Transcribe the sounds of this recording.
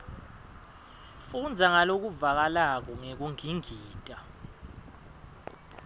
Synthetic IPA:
fund͡zʱaŋalok̬uvak̬alak̬ɔŋek̬uŋiŋiːtʼa

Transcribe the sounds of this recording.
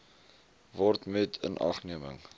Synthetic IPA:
vɔrtmɛtʰə̰nʔɑ̰χniəmə̰ŋ

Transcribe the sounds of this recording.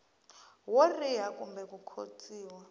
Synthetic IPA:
worijakʼumbɛkukʰo̰t͡sʼiːwa

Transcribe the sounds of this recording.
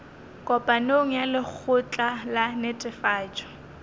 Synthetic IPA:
kʼɔpʼanoŋ̩jalɪk͡xʰʊt͡ɬʼalanetʼɪfaːt͡ʃʼɔ̥

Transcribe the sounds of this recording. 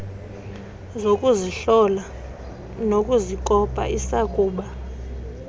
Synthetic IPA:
zokʼuziɬɔla | nokʼuzik̬ʼɔpʼa̰ʔisakʼuːɓa

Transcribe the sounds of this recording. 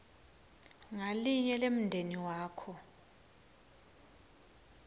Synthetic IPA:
ŋaliɲɛlem̩ndʱeniwaːkʰɔ

